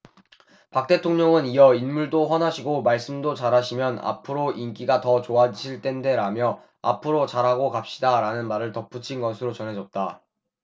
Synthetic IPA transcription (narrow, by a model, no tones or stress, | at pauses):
pak̚t͈e̞tʰoŋɲʌŋɯniʌinmuɭdoɸwʌnɦaɕʰiɡomaɭs͈ɯmdot͡ɕaɾaɕʰimjʌna̰pʰɯɾoʔink͈iɡatʌt͡ɕoad͡ʑiɕʰiɭt͈e̞nde̞ɾamjʌ | a̰pʰɯɾot͡ɕaɾɦaɡokap̚ɕ͈idaɾanɯnmaɾɯɭtʌp͈ʰut͡ɕʰinɡʌsʰɯɾot͡ɕʌnɦe̞d͡ʑʌt̚t͈a